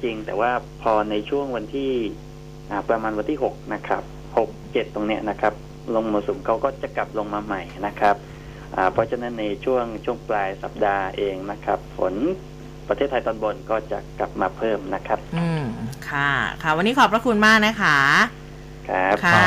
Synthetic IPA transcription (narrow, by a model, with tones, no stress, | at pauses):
t͡ɕi˧ŋt̪ɛː˨˩waː˥˩pʰɔː˧na˧jt͡ɕʰu˥˩əŋwa˧nt̪ʰiː˥˩ | ʔaː˨˩pɾa˧maː˧nwa˧nt̪ʰiː˥˩ɦo˨˩k̚na˦˥kʰa˦˥p̚ | ho˨˩k̚t͡ɕe˨˩t̪ːo˧ŋni˦˥əɐna˦˥kʰa˦˥p̚ | lo˧ŋmɔː˧so˩˦mkʰa˦˥wkɔː˥˩t͡ɕa˨˩kla˨˩p̚lo˧ŋmaː˧ma˨˩jna˦˥kʰa˦˥p̚ | ʔaː˨˩pʰɔ˦˥t͡ɕʰa˧na˦˥nːa˧jt͡ɕʰu˥˩əŋt͡ɕʰu˥˩əŋplaː˧jsa˨˩p̚daː˧ʔeː˧ŋna˦˥kʰa˦˥p̚fʰo˩˦n | pɾa˧eː˥˩t̪ʰːa˧jt̪ɔː˧nbo˧nkɔː˥˩t͡ɕa̰˨˩kla˨˩p̚maː˧pʰɤː˥˩mna˦˥kʰa˦˥p̚ɯ˧˩kʰa˥˩kʰa˦˥˩wa˧nːiː˦˥kʰɔː˩˦pɾa˧kʰu˧nmaː˥˩k̚na˦˥kʰa˦˥ | kʰa˦˥pkʰa˥